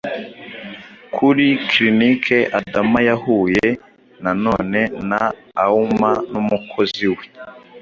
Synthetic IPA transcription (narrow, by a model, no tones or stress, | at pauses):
kʰuɾikɾinikʰeʔadamajahuːje | nano̞ːne̞naː | umanumukʰo̞ziwe̞